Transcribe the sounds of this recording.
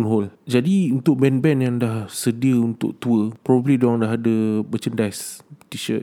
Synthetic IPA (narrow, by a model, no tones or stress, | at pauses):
nɦɔld͡ʒadiunt̪ʊk̚bɛnbɛnjaŋdahsədiəunt̪ʊ̰ʔ̚t̪uəpɾɔbablidoaŋdaɦadəbət͡ʃəndajst̪iʃəʔ